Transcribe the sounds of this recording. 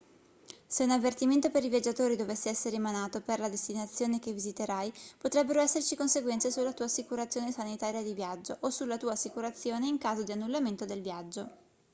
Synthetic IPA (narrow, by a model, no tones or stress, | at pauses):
seunavːert̪iment̪opeɾivjad͡ʒːat̪oːɾid̪ovɛsːeɛsːeɾeemanaːt̪operlad̪est̪inat̪sːjoːnekevːizit̪eɾajpot̪ɾɛbːeɾoɛsːert͡ʃikonseɡwɛnt̪sesulːat̪uːasːikuɾat̪sːjoːnesanit̪aːɾjad̪ivjad͡ʒːoʔosulːat̪uːaːsːikuɾat̪sːjoːneiŋkaːzod̪ianːulːament̪od̪elvjad͡ʒːo